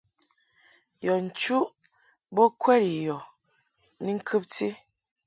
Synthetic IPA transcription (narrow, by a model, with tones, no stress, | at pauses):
jɔ˨n̩˨t͡ʃu˦ʔ | bɔ˦kʰwɛ˦ɾi˨jɔ˨ | ni˦ŋ̩˦kʰɨ˦p̚ti˦